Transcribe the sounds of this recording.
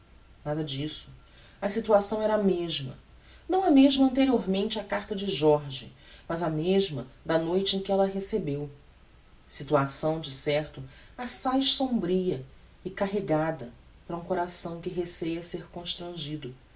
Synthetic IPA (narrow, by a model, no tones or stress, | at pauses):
nad̪ɐd͡ʒisʊ̥ | ɐsit̪uasɐ̃w̃ɛɾɐameʒmɐ̰ | nɐ̃w̃ɐmeʒmɐɐ̃nt̪eɾioɾmẽnt͡ʃɪakaɾt̪ɐd͡ʒɪʒɔɾʒi | mɐzɐmeʒmɐd̪ɐnojt͡ʃɪẽj̃kʲɪɛlɐɦesebew | sit̪uasɐ̃w̃d͡ʒɪsɛɾt̪ʊ | asajʃsõbɾijɐ | ɪkaɦeɡad̪ɐ | pɾɐũkoɾasɐ̃w̃kɪɦesejɐseɾkõʃt̪ɾɐ̃ʒid̪ʊ